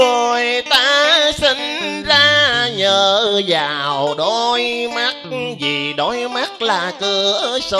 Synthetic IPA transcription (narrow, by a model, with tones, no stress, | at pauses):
o˨˩jt̪aː˧˥sï˧˦ŋzaː˧ɲəː˨˩zaː˨˩wɗo˧˦jma˦˥k̚zi˨˩ɗo˨˦jma˦˥k̚laː˨˩kɨ˧əsə˧